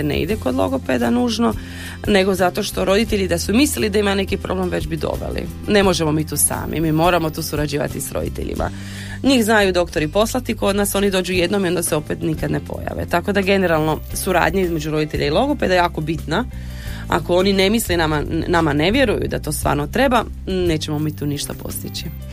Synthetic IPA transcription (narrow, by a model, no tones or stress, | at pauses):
enḛḭd̪eko̞d̪lˠo̞̰ɡo̞ped̪anuːʒno̞ | ne̞ɡo̞zat̪o̞ʃt̪o̞ɾo̞d̪it̪eʎid̪asumislilid̪aimane̞kipɾoble̞mʋe̞d͡ʑbid̪o̞̰bḛlḭ | ne̞mo̞ʒemo̞miːt̪uːsa̰ːmḭmiːmo̞ːɾamo̞t̪uːsuɾad͡ʑiːʋa̰t̪isɾo̞̰d̪ḭt̪ḛʎḭmʔa̰ | ɲixznajud̪o̞kt̪o̞ɾipo̞slˠat̪iko̞d̪naso̞nid̪o̞ːd͡ʒuje̞d̪no̞mio̞nd̪aseo̞pet̪nikad̪nepo̞̰ja̰ʋḛt̪ako̞d̪aɡe̞neɾalˠno̞suɾa̰ːd̪ɲaizme̞d͡ʒuɾo̞d̪it̪eʎailˠo̞ɡoped̪ajaːko̞bit̪na | a̰ko̞o̞nine̞mislenamanamane̞ʋje̞ɾujṵd̪a̰t̪o̞ːst̪ʋa̰ːɾno̞t̪ɾe̞ba | ne̞ːt͡ɕemo̞miːt̪uːniʃt̪apo̞̰st̪it͡ɕi